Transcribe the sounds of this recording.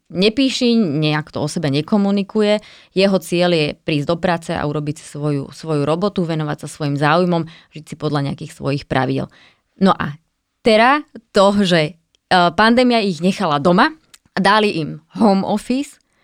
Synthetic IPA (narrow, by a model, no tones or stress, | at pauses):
ɲɛpiːʃiɲɛakt̪ɔ̰ɔsɛbɛɲɛkɔmunikujɛ | jɛɦɔt͡sɪɛljɛpɾiːzd̪ɔpɾaːt͡sɛa̰uɾɔbicsʋɔjṵsʋɔjuɾɔbɔt̪uʋɛnɔʋa̰csasʋɔjimzaːujmɔmvʒd̪it͡sipɔd̪ʎaɲɛa̰kiːxsʋɔ̰jixpɾa̰ʋiɟɛ̰l | nɔʔa̰ | t̪ɛɾat̪ɔʒɛ | pand̪ɛːmiaiɣɲɛxalad̪ɔma | ad̪aliʔimɦɔʊmɔfis